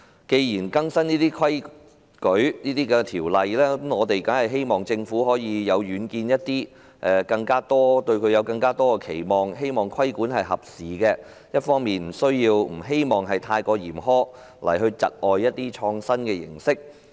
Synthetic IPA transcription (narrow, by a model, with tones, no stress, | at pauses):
ke˧jjiː˨˩nkɐ˥ŋsɐ˥niː˥t̪iː˥kʰwɐ˥j | kɵ˨˥ɥniː˥t̪iː˥kɛ˧t̪ʰiː˨˩wlɐ˨jlɛː˥˨˥mŋɔː˨˧t̪e˨jkɐ˨˥nhɐ˨jɦe˥jmɔː˨ŋt͡sɪ˧ŋfuː˨˥hɔː˨˥jiː˨˧jɐ˨˧wɥyː˨˧˥nkiː˧njɐ˥t̚t̪iː˥ | ʔɛ˨˧kɐ˧ŋkaː˥t̪ɔː˥t̪ɵ˧ɥkʰɵ˨˧ɥjɐ˨˧wkɐ˧ŋkaː˥t̪ɔː˥kɛ˧kʰe˨˩jmɔː˨ŋɦe˥jmɔː˨˩ŋkʰwɐ˥jkuː˨˥nɦɐ˨jɦɐ˨p̚siː˨˩kɛː˧ | jɐ˥t̚fɔː˥ŋmiː˨nm̩˨˩sɵ˥ɥjiː˧wm̩˨˩ɦe˥jmɔː˨˩ŋɦɐ˨jt̪ʰaː˧jkɔː˧jiː˨˩mɦɔː˥ | lɐ˨˩jɦɵ˧ɥt͡sɐ̰˨t̚ʔɔː˨jːɐ˥t̚t̪ːiː˥t͡ʃʰɔː˧ŋsɐ˥nkɛː˧jɪ̰˨˩ŋsɪ˥k̚